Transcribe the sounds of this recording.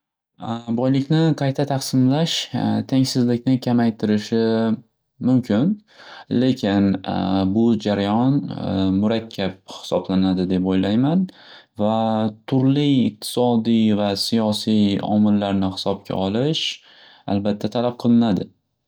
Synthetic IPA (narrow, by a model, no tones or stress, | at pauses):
bɒjlɪkʲnɪqʰɑjt̪ʰat̪ʰɑqsɪmlaʃt̪ʰeŋsɪzlɪkʲnɪkʲʰamajt̪ʰɪɾɪʃɪ | mʊmkʲʰɪnle̞kʲʰɪnbʊd͡ʒaɾajɒnmʊɾakʲʰːap̚hɪ̥sɒblanad̪ɪd̪e̞pojlajman | vat̪ʰʊɾliq̚t̪ʰɪ̥sɒd̪ijvasijɒsijɒ̰mɪlːaɾnɪhɪ̥sɒb̚kʲʰa̰ʔɒlɪʃ | a̰lbat̪ʰːat̪ʰalap̚qʰɨlˠɪnad̪ɪ